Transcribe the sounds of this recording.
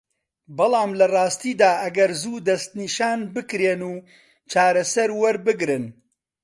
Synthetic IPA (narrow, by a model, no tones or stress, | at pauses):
bɑlˠɑːmlɐrˤɑːst̪iːd̪aːʔɐɡɐɾzuːd̪ɐst̪niːʃaːnbɨkɾeːnuː | t͡ʃaːɾɐsɐɾwɐɾbɨɡɾɨn